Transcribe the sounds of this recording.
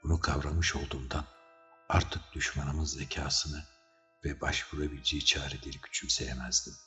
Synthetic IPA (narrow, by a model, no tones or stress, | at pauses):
b̥unukʰavɾanmɯʃo̞lˠd̪uːmd̪an | aɾt̪ʰɯk̚d̪̥yʃmanɯmɯzːecʰaːsɯnɯ | vɛbaʃvuɾabilʲd͡ʒejit͡ʃʰaːɾid̪iɾɟy̥t͡ʃʰymse̞jemæzd̪im